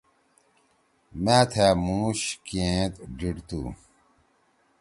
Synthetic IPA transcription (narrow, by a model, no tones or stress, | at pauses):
mãːt̪ʰemũːɕkiẽt̪ɖiɽt̪ṵː